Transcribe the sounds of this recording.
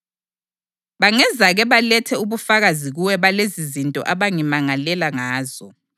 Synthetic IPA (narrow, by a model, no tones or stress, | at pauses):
βaŋɛzaɣɛβalɛtʰɛuβufaɣaziɣuwɛβalezizintʼɔ̰ʔaβaŋimaŋalɛlaŋaːzɔ